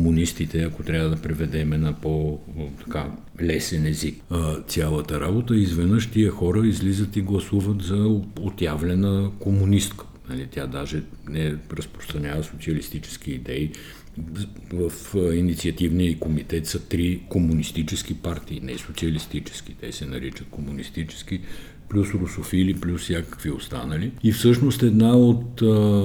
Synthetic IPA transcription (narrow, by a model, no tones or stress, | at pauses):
komunist̪it̪ɛɐkot̪ɾʲavəd̪ɐpɾɛvɛd̪ɛmɛnɐpot̪ɐ̥ka | lɛsɛnɛzikt̪sʲalˠət̪əɾabot̪əizvɛnəʃt̪iəxɔɾəizlizət̪iɡlˠɐsuvət̪zɐot̪javlɛnəkomunist̪kə̥nɐlit̪ʲjad̪aʒɛ | nɛɾəspɾost̪ɾɐnʲavəsot̪siɐlist̪it͡ʃɛ̥sk̟iːd̪ɛi | vəfinit̪siɐt̪ivniəikomit̪ɛt̪sɐt̪ɾikomunist̪it͡ʃɛsk̟ipaɾt̪iːnɛ̰sot̪siəlist̪it͡ʃɛ̥skʲi̥t̪ɛ̰sɛnɐɾit͡ʃət̪komunist̪it͡ʃɛ̥sk̟i | plʲusɾʊsofiliplʲussjakəkviost̪a̰nəliifsɤʃnost̪ɛd̪naot̪